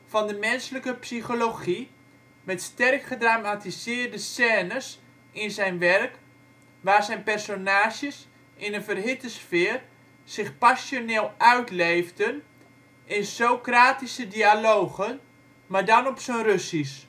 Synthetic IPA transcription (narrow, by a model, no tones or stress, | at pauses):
fɔndəmɛnsələkəpsiχoloχi | mɛtstɛrkχədramatisɪːrdəsɛːnəs | ɪnsɛjnʋɛrk | ʋaːrsɛjnpɛrsonaːʃjəs | ʔɪnənfərɦɪtəsfɪːr | sɪxpasjoneːlˠœɥtleːvdən | ɪnsowkraːtisədialoːɣən | madɔnɔpsənrøsis